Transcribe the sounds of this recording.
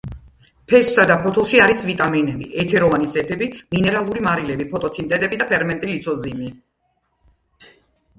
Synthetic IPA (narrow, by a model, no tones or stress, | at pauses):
pʰɛssad̪apʰɔt̪ʰulˠʃiaɾisvit̪ʼaminɛbḭʔɛt̪ʰɛɾɔvanisɛt̪ʰɛbiminɛɾalˠuɾimaɾilɛbipʰɔt̪ʼɔt̪sʰint̪ʼɛd̪ʼɛbid̪apʰɛɾmɛnt̪ʼilit̪sʰɔzimi